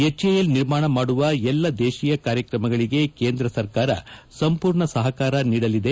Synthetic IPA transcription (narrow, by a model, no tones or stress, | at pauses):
et͡ʃːejɐlniɾmaːɳɐmaːɽuʋɐɛlːɐd̪eːʃijɐkaːɾjɐkɾɐmɐɡɐɭiɡe̞ke̞ːnd̪ɾɐsɐɾkaːɾɐ̰sɐmpuːɾɳɐsɐɦɐkaːɾɐniːɽɐlid̪e̞